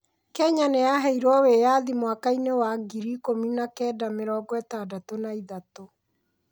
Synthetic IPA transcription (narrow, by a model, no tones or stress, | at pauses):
kɛɲanejaɦɛiɾwɔwejaðimwakainewaɡiɾikominakɛːdameɾɔːɡwɛtadatonaiðato